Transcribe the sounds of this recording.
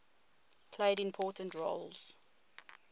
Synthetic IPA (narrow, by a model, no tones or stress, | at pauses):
pʰleɪɾɪ̃mpʰɔːˑtə̃ntɹoʊlz̥